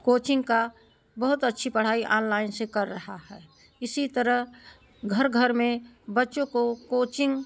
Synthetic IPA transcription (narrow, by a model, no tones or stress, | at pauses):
koːt͡ʃɪ̃ŋɡka | bəɦʊt̪ətːʃʰipəɽ̤aːiʔaːnlaːɪnsekɐɾːəɦahɛː | ɪsit̪əɾəɦ | ɡʱəɾɡʱəɾmẽbətːʃõkokoːt͡ʃɪ̃ŋɡ